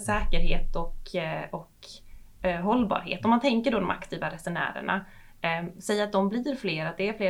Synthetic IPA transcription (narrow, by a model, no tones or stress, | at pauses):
sɛːkəɾheːt̪ɔkɔk | ɦɔlːbɑ̰ːɾɦḛːt̪ɔmːant̪ʰɛŋkəɖod̪ɔmʔa̰kt̪ʰiːvaɾɛsʊnæ̰ːɾə̰ɳa̰ | sɛjːaɾat̪̚d̪ɔmbliːɾfleːɾat̪̚d̪ɛæɾfleː